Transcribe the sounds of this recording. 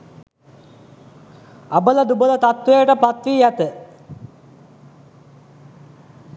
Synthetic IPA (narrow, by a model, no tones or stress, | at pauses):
abələd̪ubələt̪at̪ʋejəʈəpat̪ʋiːjæt̪ə